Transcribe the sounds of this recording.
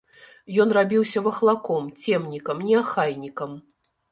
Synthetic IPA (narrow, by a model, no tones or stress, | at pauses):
jɔnrabʲiwsʲɐvɐxlˠakɔmt͡sʲɛmnʲikɐmnʲiaxajnʲikɐm